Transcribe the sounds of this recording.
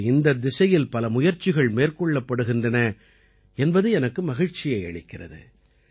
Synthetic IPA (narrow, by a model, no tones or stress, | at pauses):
ɪnd̪ɐd̪ɪsɐjɪlpɐlɐmʊjɐɾt͡ʃɪɣɐɭmeːrkɔɭːɐpːɐɽɯɣɪndrɐnɐ | ɛnbɐðɯɛnɐkːɯmɐɣɪɻt͡ʃɪjɐɪɐ̰ɻɪkːɪrɐ̰ðɯ̰